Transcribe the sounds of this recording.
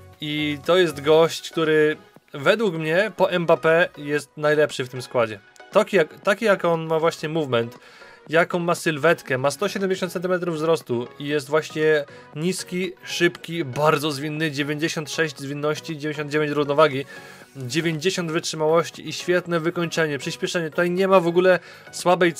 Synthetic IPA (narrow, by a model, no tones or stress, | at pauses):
it̪ɔjɛst̪ɡɔɕt͡ɕk̚t̪uɾɘvɛd̪wukmɲɛpɔʔɛmbapɛjɛst̪najlɛpʂɘft̪ɘmskwad͡ʑɛ | t̪ɔkʲijakt̪akʲijakɔnmavwaɕɲɛmuvmɛnt̪ | jakɔ̃w̃masɘlvɛt̪kɛmast̪ɔɕɛd̪ɛmʲd͡ʑeɕɔ̃nt̪sɛnt̪̬ɨmɛt̪ɾuvvzɾɔst̪uijɛs̬t̪vwaɕɲɛ | ɲiskʲiʂɘpkʲibaɾd̪zɔzvʲinːɘd͡ʑevʲjeɲd͡ʑeɕɔnt̪ʂɛʑd͡ʑzvʲinːɔɕt͡ɕid͡ʑevʲẽɲd͡ʑeɕɔnd̪d͡ʑevʲeɲt͡ɕɾuvnɔvaɡʲi | d͡ʑevʲjeɲd͡ʑeɕɔnd̪vɘtʂɘmawɔɕt͡ɕḭʔiɕfʲjɛt̪nɛvɘkɔɲt͡ʂɛɲɛpʂɘɕpʲjɛʂɛɲɛt̪ut̪ajɲɛmavɔɡulɛ | swabɛj